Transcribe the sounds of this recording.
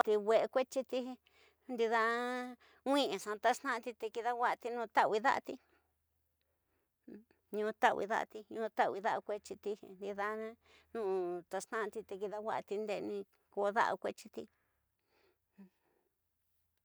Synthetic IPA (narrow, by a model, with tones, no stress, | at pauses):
t̪i˧wʷe˧ʔe˧kʷe˦t͡ʃi˧t̪i˦˧ | nd̪i˧ða˧ | wĩ˦ẽ˨ʂã˧t̪a˧˦ʂnã˦ʔt̪i˧t̪e˧ki˧ða˦wa˦˧t̪i˧nũ˧t̪a˦wi˧ða̰˦ʔa̰˧t̪i˧ | ɲũ˧t̪a˦ʔḭ˧ða̰˧ʔa̰˧t̪i˧ɲũ˧t̪a˦wi˧ða˦ʔa˧kʷe˦t͡ʃi˧t̪i˧nd̪i˧ða˧ñ˦nũ˦˧t̪a˧ʂnã˦ʔt̪i˧t̪e˧ki˧ða˧wʷa̰˦˧ʔt̪i˧nd̪e˧nĩ˧ | ko˧ða̰˦ʔa̰˧kʷḛ˦t͡ʃi˧t̪i˧